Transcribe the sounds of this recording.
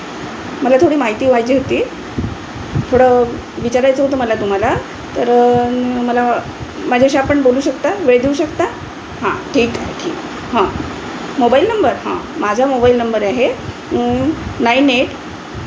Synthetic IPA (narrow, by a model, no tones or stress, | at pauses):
məlat̪ʰoɽiːmaɦit̪iːʋajd͡ʑiːɦot̪iː | fʰəɽə | ʋit͡ɕaɾajt͡səɦot̪oməlat̪um̤ala | t̪əɾ | məla | mad͡ʑʱeəɕ̬iapəɳboluːɕəkt̪aʋeɭed̪euɕəkt̪a | hã̰ʈʰiːkaɦeʈʰiːk | ɦã | mobailnəmbəɾɦã̰mad͡zʱamobailnəmbəɾaɦe | naineʈ